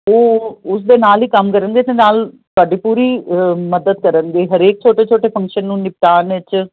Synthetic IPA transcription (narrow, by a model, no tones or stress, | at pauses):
oːʊsd̪eːnaːliːkəmkəɾənɡeːt̪enaːl | t̪ʊaːɖiːpuːɾiːməd̪əd̪̚kəɾənɡeːɦəɾeːk̚t͡ʃʰoːʈeːt͡ʃʰoːʈeːpʰə̃ŋkʃənːũːnɪp̚ʈaːnʋɪt͡ʃ